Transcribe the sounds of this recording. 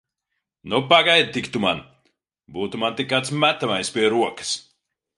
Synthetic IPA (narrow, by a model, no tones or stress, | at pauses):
nupaɡajd̪̚t̪ikt̪uma̰n | buːt̪umant̪ikːat̪smæt̪amajspʲiɛɾuɔkɐ̥s